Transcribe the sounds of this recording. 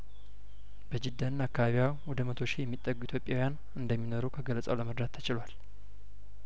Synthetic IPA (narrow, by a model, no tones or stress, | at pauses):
bəd͡ʒɪd̪ːanːakːaβaβijawɔd̪əmət̪ʰo̞ʃijɛmːit̪ʼːəɡuit̪ʰjo̞pʼːjawjan | ɨnd̪əmːinoɾuwkʰəɡələt͡sʼa̰wləməɾd̪at̪ʰːət͡ʃɪlwal